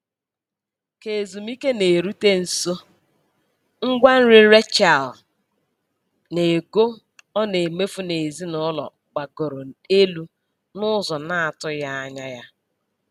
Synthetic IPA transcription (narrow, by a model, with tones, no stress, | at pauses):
ke˨zu˨mi˦ke˦ne˨ɾu˦te˦n̩˨so˦ | ŋ̩˦ɡʷa˦n̩˦ɾɪ˦ɾe˦t͡ʃa˨l | ne˨ɡo˦ | ɔ˦ne˨me˦fu˦ne˨zi˦nɔ˦lɔ̰˨ | ɡ͡ba˨ɡo˨ɾo˨e˦lu˦ | nʊ˦zɔ˨na˦a˨tʊ˦ja˦a˦ɲa˦ja˦